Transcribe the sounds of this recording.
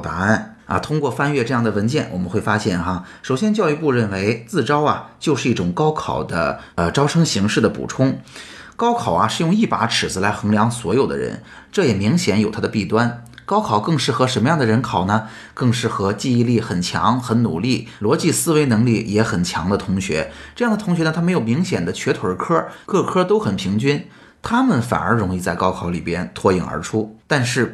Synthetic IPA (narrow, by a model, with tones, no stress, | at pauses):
t̪a˧˥a˥˩nɐ̰˧t̪ʰʊ˥ŋkwɔ˥˧fa˥˧nɥɛ˥˧ʈ͡ʂɤ˥˧jɑ˥˩ŋd̪ə˩wə˧˥nt͡ɕjɛ˥˩nwɔ̰˨˩mə˦nxwe˥˩ɪfa˥ɕjɛ˥˩nxa˧ | ʂo˨˩ʊɕjɛ˥nt͡ɕjɑ˥˧ʊy˥˧pu˥˧ɻə˥˩nwe˧˥ɪt͡sɹ̩˥˩ʈ͡ʂɑ˥ʊɐ˨t͡ɕjo˥˧ʊʂɻ̩˥˧i˥˩ʈ͡ʂʊ˨˩ŋkɑ˥ʊkʰɑ̰˨˩ʊd̪ə̰˦ | ə˧ʈ͡ʂɑ˥ʊʈ͡ʂʰɤ˥ŋɕi˧˥ŋʂɻ̩˥˩d̪ə˩pṵ˨˩ʈ͡ʂʰʊ˥ŋkɑ˥ʊkʰɑ˨˩ʊɐ˦ʂɻ̩˥˧jʊ˥˧ŋi˥˩pa˧˥ʈ͡ʂʰɻ̩˨˩d͡zɹ̩˥la˧˥ɪxɤ˧˥ŋljɑ˧˥ŋswɔ˧˥jo˨˩ʊd̪ə̰˦ɻə̰˧˥n | ʈ͡ʂɤ˥˩jɛ˨˩mi˧˥ŋɕjɛ˧˥njo˨˩ʊt̪ʰa˥ə˧pi˥˩t̪wa˥nkɑ˥ʊkʰɑ˨˩ʊkɤ˥˧ŋʂɻ̩˥˩xɤ˧˥ʂə˧˥nmə˧jɑ˥˩ŋd̪ə˩ɻə˧˥nkʰɑ˨˩ʊnə˧ | kɤ˥˧ŋʂɻ̩˥˩xɤ˧˥t͡ɕi˥˧i˥˧li˥˩xə˨˩nt͡ɕʰjɑ̰˧˥ŋxə˧˥nnṵ˨˩li˥˩lwɔ˧˥t͡ɕi˥˧sɹ̩˥we˧˥ɪnɤ˧˥ŋli˥˩jɛ˧˥xə˨˩nt͡ɕʰjɑ˧˥ŋd̪ə˧t̪ʰʊ˧˥ŋɕɥɛ̰˧˥ʈ͡ʂɤ˥˧jɑ˥˩d̪ət̪ʰʊ˧˥ŋɕɥɛ˧˥ə˧t̪ʰm˧˥ɪjo˨˩ʊmi˧˥ŋɕjɛ˨˩nd̪ə˦t͡ɕʰɥɛ˧˥t̪ʰwə˞˧˥kʰɤ˥kɤ˥˩kʰɤ˥t̪o˥ʊxə˨˩npʰi˧˥ŋt͡ɕy˥n | t̪ʰa˥mə˨nfa̰˨˩nə˞˧˥ɻʊ˧˥ŋi˥˧t͡sa˥˩ɪkɑ˥ʊkʰɑ˧˥ʊli˨˩pjɛ˥nt̪ʰwɔ˥˧ḭ˨˩ŋə̰˧˥ʈ͡ʂʰu˥t̪a˥˧nʂɻ̩˥˩